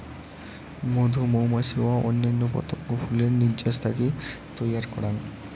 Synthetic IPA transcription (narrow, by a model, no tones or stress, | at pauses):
mod̪ʱumowmaʃiwaʔonːanːopɔ̰t̪okːofʰuleɾniɾd͡ʑaʃt̪ʰakit̪ojaɾkɔ̰ɽan